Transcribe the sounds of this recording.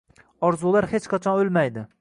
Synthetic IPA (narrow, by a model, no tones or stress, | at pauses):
ɒɾzulˠaɾhet͡ʃqʰɑt͡ʃʰɒnolˠmajd̪ɪ